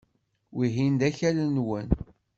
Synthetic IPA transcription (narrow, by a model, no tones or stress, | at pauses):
wiɦind̪æçælənwən